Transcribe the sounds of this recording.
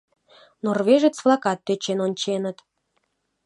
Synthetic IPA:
norveʒet͡sflˠɑkɑt̪̚ːøt͡ɕenonʲt͡ɕenə̆t̪

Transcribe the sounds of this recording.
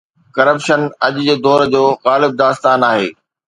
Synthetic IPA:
kɐɾəpʃənɐʄʊd͡ʑeːd̪ɔːɾd͡ʑoːɣaːlɪb̚d̪aːst̪aːnaːɦḛː

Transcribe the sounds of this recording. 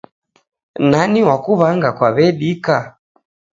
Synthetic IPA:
naniwakuβaŋɡakwaβɛɗika

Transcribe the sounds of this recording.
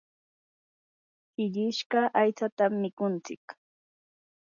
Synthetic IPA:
hɪʎɪʃɢɑʔajt͡sat̪amːɪkʊnt͡sɪk

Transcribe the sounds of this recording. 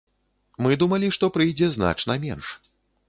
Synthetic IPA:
mɨd̪umɐlʲiʂt̪ɔpɾɨjd͡zʲɛzna̰t͡ʂnɐmʲɛ̰nʂ

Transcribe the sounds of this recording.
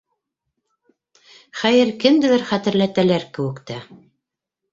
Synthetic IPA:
χæjɘɾkɘ̆md̪ɘ̆læɾχæt̪ɘ̆ɾlæt̪ælæɾkɘ̆wɘ̆kt̪æ

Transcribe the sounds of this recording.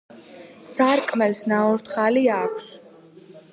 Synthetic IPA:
saɾkʼmɛlsnaɔɾt̪ʰχaliakʷʰs

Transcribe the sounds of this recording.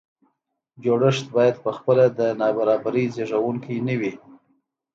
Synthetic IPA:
d͡ʒoɽəʂt̪̚bɑjad̪pəxpəlad̪ənɑbaɾɑbaɾizeʐawuŋkinawi

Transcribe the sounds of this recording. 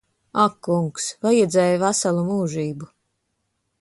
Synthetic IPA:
akːuŋksvajɛd̪zɛːjvasalˠumuːʒiːbu

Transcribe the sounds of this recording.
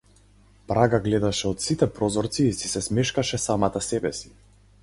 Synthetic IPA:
pɾaɡaɡlɛd̪aʃɛɔt̪sit̪ɛpɾɔzɔɾt̪siːsisɛsmɛʃkaʃɛsamat̪asɛbɛsi̥

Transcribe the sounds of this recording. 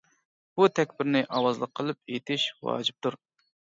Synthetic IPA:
b̥ut̪ʰɛkʲbɪɾnɪʔɑwɑzlˠəqʰːəlˠɨp̚et̪ʰɪʃwɑ̰ːd͡ʒip̚t̪uɾ

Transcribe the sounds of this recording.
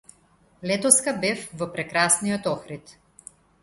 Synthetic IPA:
lɛt̪ɔskabɛfvɔpɾɛkɾasnijɔt̪ɔxɾit̪

